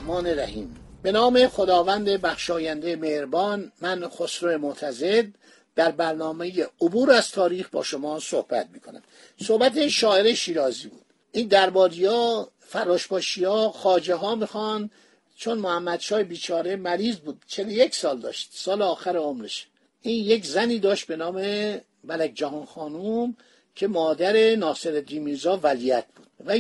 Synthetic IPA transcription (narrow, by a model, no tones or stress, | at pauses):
mɒːned̪æhiːmbe̞nɒːme̞xo̞d̪ɒːvænd̪e̞bæxʃɒːjænd̪ejemehɾbɒːnmænxosɾoemot̪ʰæze̞d̪ | d̪̥æɾbæɾnɒːme̞jeobuːɾæz̥t̪ʰɒːɾiːxbɒ̰ːʃo̞mɒːso̰hb̥æ̰t̪̚miːkʰo̞næ̰m | so̞hbæt̪eʃɒːeɾeʃiːɾɒːziːbṵːd̪̥ | ʔiːnd̪æɾbɒːɾijɒː | fæɾːɒːʃbɒːʃiɒːxɒːd͡ʒeɦɒːmixɒn | t͡ʃʰo̞nmohæmːæd̪ʃɒːhebiːt͡ʃʰɒːɾe̞mæɾiːzbuːd̪̥̚t͡ʃʰe̞lojeksɒːld̪ɒ̰ːʃt̪̚sɒːleɒːxæɾeomɾeʃ | ʔiːnje̞kzæniːd̪ɒːʃt̪̚be̞nɒːme | mælækʰd͡ʒæɦɒːnxɒːnum | cʰe̞mɒːd̪æɾenɒːse̞ɾed̪iːmizɒːvæliæt̪̚ʰb̥uːd̪̥̚væ